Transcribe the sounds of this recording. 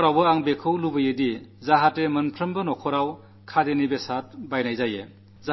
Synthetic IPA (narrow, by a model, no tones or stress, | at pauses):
ɾawbɯaŋbekʰɯwlubɯjɯdizaɦatemɯnpʰɾɯmbɯnɔkʰɔɾaw | kʰadenibesat̚bajnajzaje | za